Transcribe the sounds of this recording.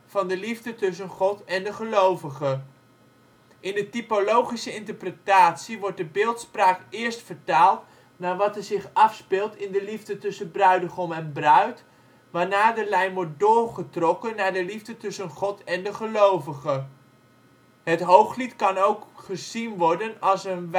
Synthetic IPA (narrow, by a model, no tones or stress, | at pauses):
v̥ɑndəlivdətɵs̬ənχɔtɛndəχəlowvəχə | ʔɪndətipolowχisəɪntəɹprətaːtsiʋɔɹt̚dəbɪːlˠtspraːkɪːɹstfəɹtaːlˠt | naːɹʋɑtəzɪχɑfspɪːlˠtɪndəlivdətɵsəbrœɥdəχɔmɛnbrœɥt | ʋaːɹnaːɹdəlɛjmʋɔɹt̚dʊːɹχətrɔkənːaːɹdəlivdətɵsənχɔtɛndəχəlowvəχə | ɦətɦowχlitkɑnowkχəzinʋɔɹdənɑlˠsən